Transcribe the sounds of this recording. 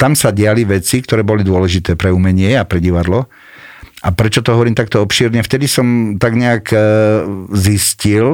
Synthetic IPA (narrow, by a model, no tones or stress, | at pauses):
t̪amsaɟɪaliʋɛt͡sikt̪ɔɾɛːbɔlid̪ʊɔlɛʒit̪ɛːpɾɛumɛɲɪɛapɾɛɟiʋad̪lɔ | ʔapɾɛt͡ʃɔt̪ɔɦɔʋɔɾiːmt̪akt̪ɔɔpʃiːɾɲɛft̪ɛd̪isɔmt̪aɡɲɛak | ziscil